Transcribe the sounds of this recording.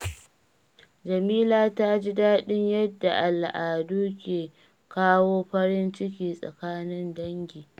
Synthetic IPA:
d͡ʒɐ˨miː˦laː˦ta˦d͡ʒi˦daː˦ɗɪ˦ɲjɐ˦dːa˨ʔa˨lʔaː˨duː˦kʲeː˨ | kaː˦woː˦ɸɐ˦ɾɪ˦nt͡ʃɪ˦k̬ʲiː˨sʼɐ̰˨kaː˦nɪ˦ndɐ˦ŋɡʲiː˨

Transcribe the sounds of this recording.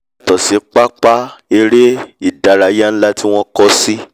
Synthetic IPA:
tɔ˨si˨˦k͡pa˦k͡pa˦e˧ɾe˦i˦˨da˨ɾa˨˦ja˦ñ̩˦la˦ti˦w̃ɔ̃˦kɔ˦si˦

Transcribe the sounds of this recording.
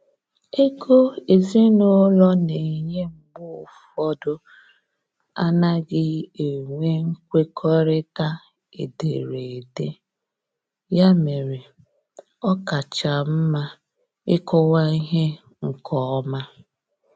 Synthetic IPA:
e˦ko˦e˨zi˦no˦lɔ˦ne˨i˨ɲe˦ŋ͡m̩˨ɡ͡bʊ˦ʊ˨fɔ˦dʊ˦ | a˦na˦ɡɪ˦e˨ŋʷe˦ŋ̩˦kʷe˦kʰɔ˦ɾɪ˦ta˦ | ḛ˨de˨ɾe˨de˦ | ja˦me˨ɾe˨ | ɔ˦ka˨t͡ʃa˨m̩˦ma˦ | ɪ˦kɔ˦wa˦i˦ɦe˦ | ŋ̩˨kɔ˨ɔ˦ma˦

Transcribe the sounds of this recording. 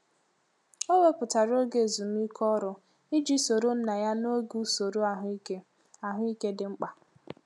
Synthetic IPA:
o˦we˦pʊ˨ta˨ɾo˦ɡe˦˨zu˨m̩˦i˦kʰɔ˦ɾʊ˦ | i˦d͡ʒi˦so˨ɾo˦n̩˦na˨ja˦no˦ɡu˦so˨ɾo˦a˨ɦʊ˨˦i˦ke˦ | a˨ɦʊ˦i˦ke˦dɪ˨ŋ͡m̩˦k͡pa˨

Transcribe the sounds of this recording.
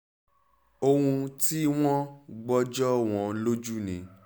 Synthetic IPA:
o˧hũ˧ti˦w̃ɔ̃˦ɡ͡bɔ˦d͡ʒɔ˦w̃ɔ̃˧lo˦d͡ʒu˦nḭ̃˨

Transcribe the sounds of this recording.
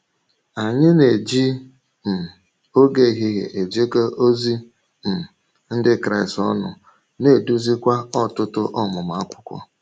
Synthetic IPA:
a˨ɲɪ˦ne˨d͡ʒi˦ | m̩˨ | o˦ɡe˦˨ɦi˦ɣḛ˨ʔe˨d͡ʒe˦ke˦ʔo˦zi˦ | m̩˨ | n̩˦dɪ˦kɾa˦ɪ˨stɔ˦nʊ̰˨ | ne˦˨du˦zi˦kʷa˦ɔ˦tʊ˦tʊ˦ʔɔ˦mʊ˨m˨a˦kʷʊ̥˦kʷɔ̰˦

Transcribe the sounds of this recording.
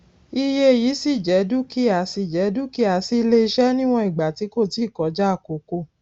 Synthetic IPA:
i˧je˦e˨jiː˨˦si˦˨d͡ʒɛ˨˦du˦ki˦a˨˦si˦˨d͡ʒɛ˨˦du˦ki˦a˨˦si˦˧le˧ʃɛ˦nĩ˦w̃ɔ̃˧i˨ɡ͡ba˨ti˨˦ko˦˨ti˦˨kɔ˨˦d͡ʒa˦a˦˨ko˨ko˦˨

